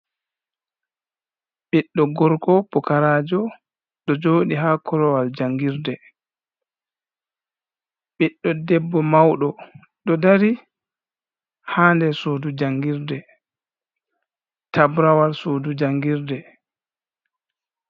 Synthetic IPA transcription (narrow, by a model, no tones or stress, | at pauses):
ɓiɗːɔɡɔɾkɔpukaɾaːd͡ʒɔ | ɗɔd͡ʒoːɗiɦaːkʰɔɾɔwald͡ʒaŋɡiɾdɛ | ɓiɗːɔdɛbːɔmawɗɔ | ɗɔdaɾi | haːndɛsodud͡ʒaŋɡiɾdɛ | tabɾawalsoːdud͡ʒaŋɡiɾdɛ